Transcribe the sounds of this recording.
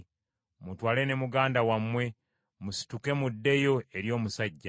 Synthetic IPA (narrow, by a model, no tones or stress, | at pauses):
mutwaːlene̞muɡaːndawamwe̞ | musi̥tuke̞mudːe̞jo̞e̞ɾjo̞ːmusaɟːa